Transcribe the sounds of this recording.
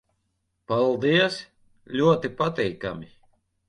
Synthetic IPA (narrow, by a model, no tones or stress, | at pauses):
palˠd̪iɛs | lʲuɔt̪ipat̪ɛjka̰mʲi